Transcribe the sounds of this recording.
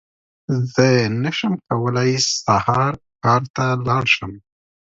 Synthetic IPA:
zənəʃəmkawəlajsahɑɾ | kɑɾt̪alɑɽʃəm

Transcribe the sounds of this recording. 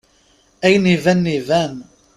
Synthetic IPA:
æjnivænːivæn

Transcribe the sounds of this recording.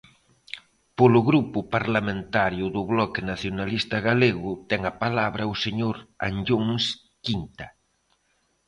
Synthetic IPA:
polʊɣɾupʊpaɾlamẽnt̪aɾjʊðʊβlɔkɪnaθjonalist̪ɐɣaleɣʊt̪ɛŋapalaβɾɐʊseɲoɾa̰nʎuŋs | kint̪a

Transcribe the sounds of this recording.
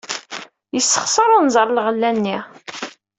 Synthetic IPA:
jəsːə̥χsˤəɾˤʊnzˤəɾˤlʁəlːænːi

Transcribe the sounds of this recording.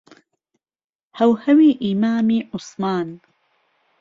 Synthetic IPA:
hɐwhɐwiːʔimaːmiːʔʊsmaːn

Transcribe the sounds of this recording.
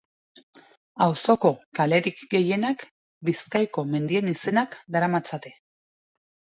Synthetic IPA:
awso̞ko̞kale̞ɾikɡe̞je̞nak | biskajko̞me̞nd̪ie̞nise̞nakd̪aɾamat͡sat̪e̞

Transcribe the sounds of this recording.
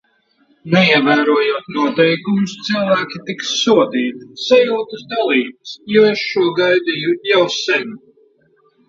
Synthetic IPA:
nɛiɛvæːɾuɔjuɔt̪nuɔt̪ɛjkumʊst̪silˠvæːkʲit̪iksːuɔd̪iːt̪isajuːt̪ɨsd̪alˠiːbɨsjueʃʃuɔɡajd̪ijujawsɛnu

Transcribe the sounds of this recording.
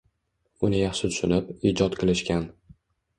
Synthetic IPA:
ʊnɪjɑχʃɪt̪ʰʊ̥ʃʊnɪpiːd͡ʒɒt̪qʰɨlɪʃkʲan

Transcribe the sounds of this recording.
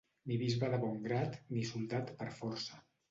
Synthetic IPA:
niβizβəðəβɔŋɡɾat̪nisulˠt̪at̪pəɾfɔɾsə

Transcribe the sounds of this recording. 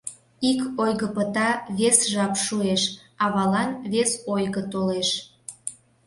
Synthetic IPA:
ikojɣəpət̪ɑβesʒɑpʃueʃ | ɑβɑlɑnβesojɣət̪oleʃ

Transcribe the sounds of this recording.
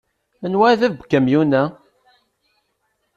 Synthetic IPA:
mənwæðævbəkːæmjunæ

